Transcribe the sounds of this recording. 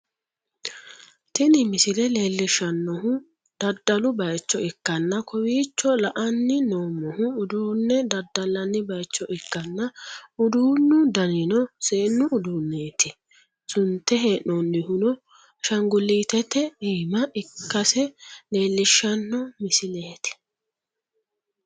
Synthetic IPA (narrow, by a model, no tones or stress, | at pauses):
t̪ɪnɪmɪsɪlɛleːlːɪʃːɐnːɔhʊ | d̪̥ɐd̪ːɐlʊbɐjt͡ʃːɔɪkːɐnːɐkɔwiːt͡ʃːɔlɐʔɐnːɪnoːmɔhʊːd̪uːnːɛd̪ɐd̪ːɐlːɐnːɪbɐjt͡ʃːɔʔɪkːɐnːɐʊd̪uːnːʊd̪ɐnɪnɔseːnːʊːd̪uːnːeːt̪ɪ | sʊnt̪ːɛɦeːʔonːɪhʊnɔ | ʃɐŋɡʊlːiːt̪ɛt̪ːɛeːmɐʔɪkːɐsɛle̞ːlːɪʃːɐnːɔmɪsɪleːt̪ɪ̥